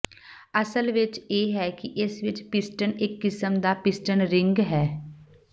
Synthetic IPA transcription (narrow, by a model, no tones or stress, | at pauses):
əsəlʋɪt͡ʃjeːɦɛːkiʔɪsʋɪt͡ʃpɪsʈənɪkːɪsəmd̪aːpɪsʈənɾɪ̃ŋɡɦɛː